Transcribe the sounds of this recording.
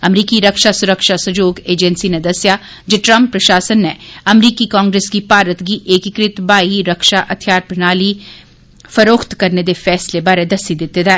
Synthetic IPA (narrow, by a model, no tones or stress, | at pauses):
ɐmɾiːkiɾɐkʃasʊɾəkʃasɐd͡ʒoːɡeːd͡ʒɛnsined̪ɐsja | d͡ʒoʈɾɐ̃mpːɾɐʃaːsənːeɐmɾiːkikãːŋɡɾeːskipaːɾət̪ɡiʔeːkɪkɾɪt̪baːɦiɾɐkʃaʔɐt̪ʰjaːɾpɾɪnaːli | fɐɾoːkʰt̪kɐɾned̪efɛːslebaːɾed̪ɐsid̪ɪt̪ːed̪a